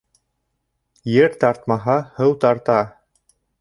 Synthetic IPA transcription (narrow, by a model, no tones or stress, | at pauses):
jɘɾt̪ɑɾt̪mɑɦɑhɤwt̪ɑɾt̪ɑ